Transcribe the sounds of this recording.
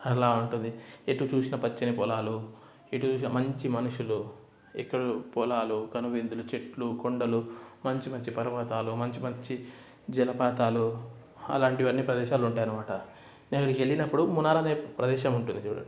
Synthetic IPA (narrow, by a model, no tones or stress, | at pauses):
ɛlaːuɳʈund̪ieʈːuːt͡ʃuːsinɐpɐt͡ʃːɐnipɔlaːlu | eʈːuːt͡ʃuːs̬inɐmɐɲt͡ʃimɐnuʂulu | ḭkːɐɽupɔlaːluɡɐnuʋind̪ulut͡ʃe̞ʈlukoɳɖɐlumɐɲt͡ʃimɐɲt͡ʃipɐɾɐʋɐt̪aːlumɐɲt͡ʃimɐɲt͡ʃi | d͡ʒɛlɐpaːt̪aːlu | ɐ̰laːɳʈiʋɐnːiːpɾɐd̪ɛːʃaːluɳʈaːjɐnɐmaːʈɐ | nenkːɐɽikieɭːinɐpːuɽumunaːɾɐneːpɾɐd̪ɛːʃɐmuɳʈund̪iɽɐ̰